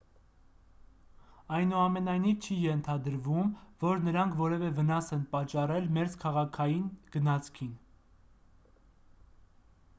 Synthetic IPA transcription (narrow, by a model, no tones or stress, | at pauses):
ɑjnuɑmɛnɑjnivt͡ʃʰijɛnt̪ʰɑd̪əɾvumvɔɾnəɾɑŋkʰvɔɾɛvɛvənɑsɛnpɑt͡ʃːɑrɛlmɛɾt͡skʰɑʁɑkʰɑjinɡ̥ənɑt͡sʰkʰin